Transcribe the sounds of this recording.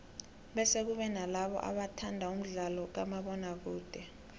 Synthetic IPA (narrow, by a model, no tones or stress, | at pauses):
ɓɛsek̬uɓɛnalaɓɔ̰ʔa̰ɓatʰandʱaum̩ɮalɔk̬amaɓɔnak̬uːd̥ʱɛ